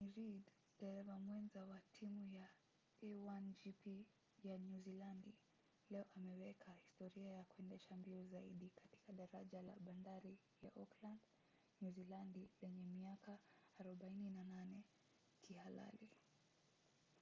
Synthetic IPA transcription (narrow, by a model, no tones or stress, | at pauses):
miɾid | ɗɛɾɛvamwɛnzawatʰimuja | ɛwand͡ʒipi | januzilandi | lɛɔʔamɛwɛkʰahistɔɾiajakuɛndɛʃambiɔzaḭɗikati̥kaɗaɾaʄala̰ɓandaɾi | ja̰ʔɔkland | nuzilandilɛɲɛmiakaːɾɔɓaininananɛ | kʰihala̰li